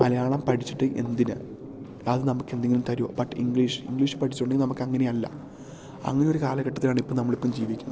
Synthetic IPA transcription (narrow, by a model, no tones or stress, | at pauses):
mɐlɐjaːɭɐmpɐʈʰit͡ɕːiʈːɨʔe̞̰nd̪inɨ | ɐðɨnɐmukːe̞nd̪eŋɡilumt̪ɐɾujo̰ːbɐʈːḭŋɡɭiːʂɨ̥ḭŋɡɭiːʂɨ̥pɐʈʰi̥t͡ɕːʈːuɳɖɨnɐmukːɐŋːɐneɐlːɐ̰ | ɐ̰ŋːɐneo̞ɾukaːlɐɣɐʈːɐt̪ːilaːɳipːoːɭnɐmːɐɭipːɐːmd͡ʑiːʋikʲːunː